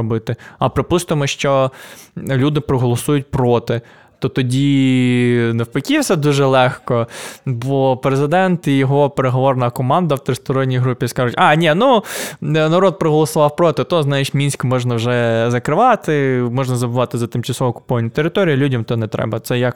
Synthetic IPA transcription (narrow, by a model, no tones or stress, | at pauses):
ɔbɪt̪ɪɐpɾɪpust̪ɪmɔʃt͡ʃɔ | lʲud̪ɪpɾɔɦɔlˠɔsujʊt̚ʲpɾɔt̪ɪ | t̪ɔt̪ɔdʲi | nɐwpɔkʲiwsʲɐd̪uʒɛlˠɛxkɔbɔpɾezɪd̪ɛnt̪ijɔɦɔpeɾeɦɔʋɔrnɐkɔmɑnd̪ɐwt̪ɾɪst̪ɔɾɔnʲːijɦɾupʲiskɑʒʊtʲɑnʲinu | nɐɾɔt̪̚pɾɔɦɔlˠɔsʊʋɑwpɾɔt̪ɪt̪ɔznɑjit͡ʃʲmʲinʲsʲkmɔʒnɐwʒɛzɐkɾɪʋɑt̪ɪmɔʒnɐzɐbʊʋɑt̪ɪzɐt̪ɪmt͡ʃɐsɔʋɔkʊ̥pɔʋɐnʲːit̪eɾɪt̪ɔɾʲijilʲudʲɐmt̪ɔnɛt̪ɾɛ̰bɐt̪sɛjɐk